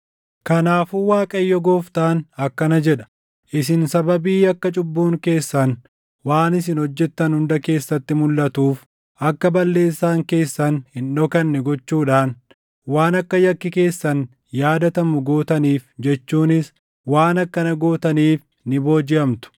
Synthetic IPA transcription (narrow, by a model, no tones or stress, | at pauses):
kɐnaːfuwaːkʼɐjːɔɡoːft̪aːnɐkːɐnɐd͡ʒɛᶑɐ̥ | ʔɪsɪnsɐbɐbiːɐkːɐt͡ʃʼʊbːuːŋke̞ːsːɐn | waːnɪs̬ɪnhɔd͡ʒːɛt̪ːɐnhʊnd̪ɐke̞ːsːɐt̪ːɪmʊlːɐt̪uːf | ʔɐkːɐbɐlːe̞ːsːaːŋke̞ːsːɐnhɪnɗoːkɐnːɛɡɔt͡ʃːuːᶑaːn | waːnɐkːɐjɐkːɪke̞ːsːɐn | jaːd̪ɐt̪ɐmʊɡoːt̪ɐniːfd͡ʒɛt͡ʃːuːnɪs | waːnɐkːɐnɐɡoːt̪ɐniːf | nɪbo̞ːd͡ʒɪʔɐmt̪ʊ̥